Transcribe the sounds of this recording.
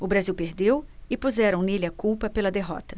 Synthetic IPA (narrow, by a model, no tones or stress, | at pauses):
ʊbɾaziwpeɾd̪ewɪpuzɛɾɐ̃w̃neliɐkuwpɐpelɐd̪eɦɔ̰t̪ɐ